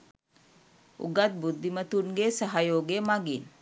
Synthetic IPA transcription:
ṵɡat̪̚bud̪ʱːimət̪unɡesəɦajoːɡemaɡin

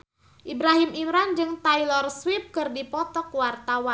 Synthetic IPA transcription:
ʔibɾaɦimimɾand͡ʒɨŋt̪ailɔrswip̚kɨrdipɔt̪ɔkwart̪awa

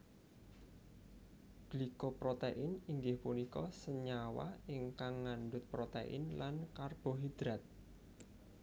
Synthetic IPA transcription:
b̥likopɾot̪eʔɪniŋɡɪhpunikɔsəɲawa̰ɪŋkaŋːanɖʊt̪̚pɾot̪ḛʔɪ̰nlankarb̥ɔɦid̪̥ɾat̪̚

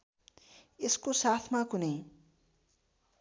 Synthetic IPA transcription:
eskosat̪ʰmakunʌj

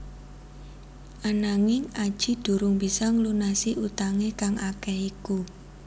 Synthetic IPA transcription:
ʔanaŋɪŋad̥ʒ̥i̤d̪̥ṳɾʊŋbisɔŋlunasiʔut̪aŋekaŋʔakɛhiku

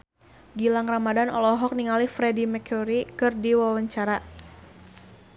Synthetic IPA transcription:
ɡilaŋramadanɔlɔɦɔk̚niŋalifɾɛdimɛkʰuɾikɨrdiwawaɲt͡ʃaɾa

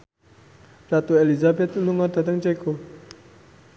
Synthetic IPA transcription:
ɾat̪uelizabɛt̪uluŋɔd̪a̤t̪əŋt͡ʃeko

